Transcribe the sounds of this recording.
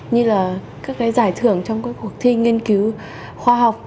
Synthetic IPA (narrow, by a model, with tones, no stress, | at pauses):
ɲɨ˧laː˨˩kaː˦˥k̚kaː˨˦jzaː˧˩jt̪ʰɨ˧˩əŋt͡ɕɔ˧wŋ͡mkaː˨˦jku˨˩ək̚t̪ʰi˧ŋi˧ənki˨˦w | xwaː˧ɦa˨˩wk͡p̚